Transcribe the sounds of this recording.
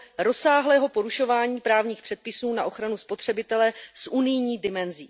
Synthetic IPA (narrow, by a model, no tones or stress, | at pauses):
ɾo̞saːɦlɛːɦo̞po̞ɾuʃo̞vaːɲiːpɾaːvɲiːxpr̝̥ɛt̪̚pɪsuːnaʔo̞xɾanuspo̞t̪r̝̥ɛbɪt̪ɛlɛsʔunɪjɲiːdɪmɛnziː